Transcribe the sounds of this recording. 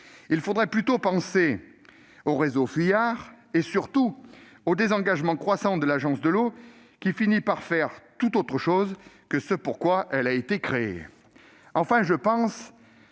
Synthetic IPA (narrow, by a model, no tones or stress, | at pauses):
ilfod̪ʁɛplyt̪opɑ̃se | oʁezofijaʁ | esyʁt̪u | od̪ezɑ̃ɡaʒmɑ̃kχwasɑ̃d̪əlaʒɑ̃sd̪əlo | kʲifinipaʁfɛʁt̪ut̪ot̪χəʃoz | kəsəpuʁkwaʔɛlaet̪ekχeḛ | ɑ̃fɛ̃ʒəpɑ̃s